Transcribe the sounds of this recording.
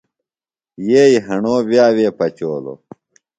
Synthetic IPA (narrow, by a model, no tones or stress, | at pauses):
jeːiɦɐɳoːbjaːweːpɐt͡ɕoːlo̰